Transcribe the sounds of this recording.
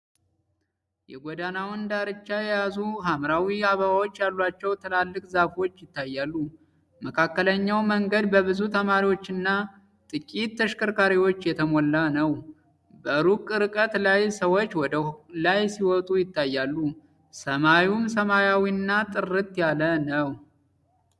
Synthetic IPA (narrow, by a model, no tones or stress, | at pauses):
jɛ̰ɡʷɔd̪anawɔnd̪aɾɨt͡ʃːajɛjazuɦamɾawiaβəβawo̞t͡ʃːjalːat͡ʃːɛwt̪ʰəlalːɨkʼzafo̞t͡ʃːjɪt̪ːajːalːu | məkʰakːələɲːawməŋɡəd̪bəβɨzut̪ʰəmaɾiwot͡ʃːɨnːa | t̪ʼɨkʼit̪ːʰəʃkʰəɾkʰaɾiwo̞t͡ʃːjɛt̪ʰəmɔlːanəw | bəɾukʼɾɨkʼət̪lajsəwot͡ʃːwɔd̪lajsiwɔt̪ʼujɪt̪ːajːalːu | səmajumsəmajawiɨnːat̪ʼɨrɨt̪ʼjalənəw